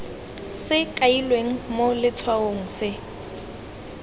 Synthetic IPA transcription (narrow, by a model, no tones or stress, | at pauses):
sɪkʼailweŋ̩molɪt͡sʰwaoŋ̩sɪ